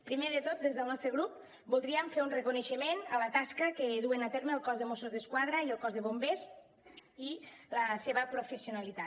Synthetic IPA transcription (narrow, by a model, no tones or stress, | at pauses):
pɾimeðət̪ot̪̚d̪ezðəlˠnɔst̪ɾəɣɾup̚ | bulˠd̪ɾiəɱfeɾunrəkuneʃəmenələt̪askəkəðuenat̪eɾməːlˠkɔzðəmosuzðəskwaðɾəiəlˠkɔzðəβombes | iləseβəpɾufesiunalit̪at̪